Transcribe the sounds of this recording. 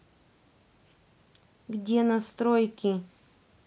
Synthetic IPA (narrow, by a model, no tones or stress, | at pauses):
ɡdʲenɐst̪ɾojkʲɪ